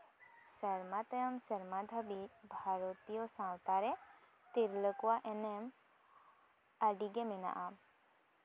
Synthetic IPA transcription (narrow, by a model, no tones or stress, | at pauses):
səɾmat̪əjəmsəɾmad̪ʱəbibʱaɾot̪ijɔsãwt̪aɾɛ | t̪iɾləkwaʔenem | aɖiɡemina̰ʔam